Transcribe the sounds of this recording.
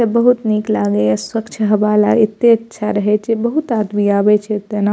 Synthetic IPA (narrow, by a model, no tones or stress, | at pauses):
ebɐɦut̪niːklaːɡeswɐkt͡ʃʰɦɐbaːla̰ɪt̪ːeɐtːʃʰaɾɐɦet͡ʃʰebɐɦut̪aːd̪miaːbet͡ʃʰet̪ena